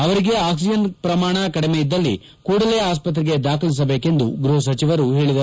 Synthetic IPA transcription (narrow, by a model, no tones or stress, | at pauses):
ɐʋɐɾiɡe̞aːksid͡ʒɐnpɾɐmaːɳɐkɐɽimeid̪ːɐlːi | kuːɽɐle̞ːaːspɐt̪ɾiɡe̞d̪aːkʰɐɭis̬ɐbe̞ːke̞nd̪uɡɾuɦɐsɐt͡ʃiʋɐɾuɦeːɭid̪ɐ